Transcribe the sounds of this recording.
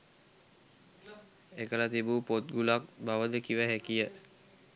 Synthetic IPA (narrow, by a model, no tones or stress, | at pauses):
ekəlat̪ibupot̪̚ɡulak̚baʋəd̪əkiʋəɦækijə